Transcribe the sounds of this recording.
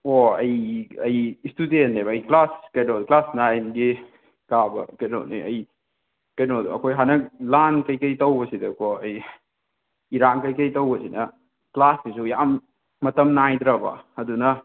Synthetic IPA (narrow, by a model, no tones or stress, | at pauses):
oɐ̰jɐjistudenebɐɐjklaskɐjnoduklasnajnɡi | kabɐ̰keno̰nḭɐ̰j | kɐjnodṵɐ̰kʰojɦanɐlankɐjkɐjtɐwbɐsidɐkoɐj | iɾankɐjkɐjtɐwbɐsinɐ | klasdisujamː | ɐtɐmnajdɾɐbɐ̰ɐdunɐ